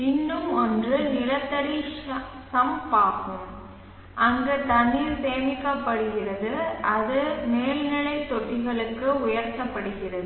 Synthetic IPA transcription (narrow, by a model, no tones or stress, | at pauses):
ɪnːɯmɔndrɯnɪɾɐt̪ːɐɽisɐmpaːkɯm | ʔɐŋɡɐt̪ɐniːɾseːmɪkːɐpːɐɽɯɣɪrɐðɯɐðɯmeːlnɪɭɐɪt̪ːɔʈːɪɣɐɭɯkːɯʊjɐɾt̪ɐpːɐɽɯɣɪrɐðɯ